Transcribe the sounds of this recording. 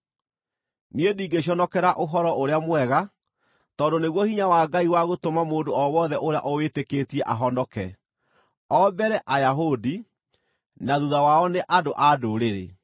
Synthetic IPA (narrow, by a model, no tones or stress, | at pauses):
niediːɡeɕ̬jɔnɔkɛɾaʔoɦɔɾɔʔoɾeamwɛɣa | tɔdoneɣwɔhiɲawaːɡaiwaɣotomamoːndoɔwɔðɛʔoɾeja̰ʔɔwetekeːtiɛʔaɦɔndɔkɛ | ɔbɛɾɛʔajaɦodi | naðuðawaɔneʔadoʔadoɾeɾḛ